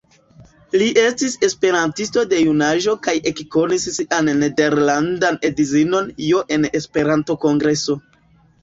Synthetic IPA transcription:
liʔe̞stise̞spe̞ɾantisto̞de̞junaʒo̞kaje̞kko̞nisːiʔanːe̞de̞ɾlandanedizino̞njo̞ʔe̞nespe̞ɾanto̞ko̞ŋɡɾe̞so

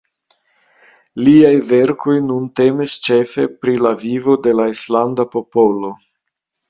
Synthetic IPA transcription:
liajve̞ɾko̞jnunte̞mist͡ʃe̞fe̞pɾilavivo̞de̞laislandapo̞po̞lo̞

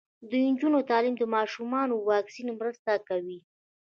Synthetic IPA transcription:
d̪ujnd͡ʒunot̪ɑlimd̪əmɑʃumɑnowɑksinmɾəst̪akawi

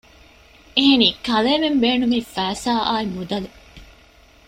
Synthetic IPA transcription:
eɦeniːkɐleːmembeːnumiːfæːsaːʔaːimud̪ɐle

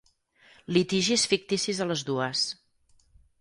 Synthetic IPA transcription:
lit̪iʒisfik̚t̪isizələzðuəs

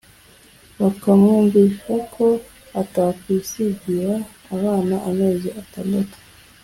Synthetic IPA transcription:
βakamŋuːɱviːʃakʰo̞ | atakwisiɟiɾaː | βaːnaʔame̞ːziʔataːndatu̥

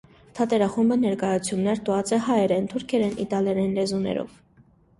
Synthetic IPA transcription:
t̪ʰɑt̪ɛɾɑχumbənɛɾkɑjɑut͡sʰjumnɛɾt̪uɑt͡sɛɦɑɛɾɛnt̪ʰuɾkʰɛɾɛnʔḭt̪ɑljɛɾɛnlɛzunɛ̰ɾɔ̰v

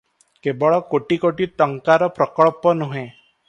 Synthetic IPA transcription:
kebɔɭɔkoʈikoʈiʈ̪ɔŋkaɾɔpɾɔkɔɭpɔnuɦẽ

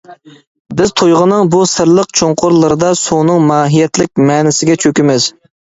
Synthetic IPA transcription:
bɪz̥t̪ʰojʁənɨŋbusɨɾlˠəqt͡ʃʰoŋqʊɾlˠɨɾɨd̪ɑsonɨŋmɑːɦijɛt̪lɪk̚ʲmɛnɪsɪɡʲɛt͡ʃʰøkʲimɪz

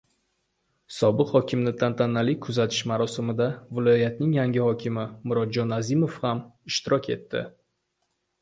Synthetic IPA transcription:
sɒbɨqhɒkʲɪmnɪt̪ʰant̪ʰanːalɪkʰʊzat̪ʰɪ̥ʃmaɾɒsɪmɪd̪avɪlˠɒjat̪nɪŋjaŋʲɪhɒkʲʰɪmɪmʊɾɒd̪̚d͡ʒɒnazimofhamɪʃt̪ɪɾɒkʲe̞̰t̪ʰːɪ̰

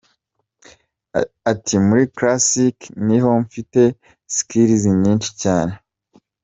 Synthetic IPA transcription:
atʰimuɾikɾasikniɦo̞ɱfite̞ | si̥kiɾiziɲiːnʃi̥caːne̞

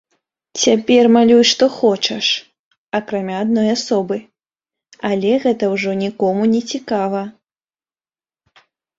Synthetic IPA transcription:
t͡sʲapʲɛrmalʲujʂt̪ɔxɔt͡ʂɛʂ | ɐkɾamʲaːd̪nɔjasɔbɨ | alʲɛɣɛt̪ɐwʐɔnʲikɔmunʲɛt͡sʲikavɐ

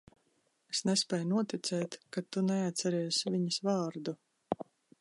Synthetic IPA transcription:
esnɛsʲpʲɛːjnuɔt̪it̪sɛːt̪kat̪ːunɛat̪sɛɾiːsvʲiɲɐsvɑːɾd̪u

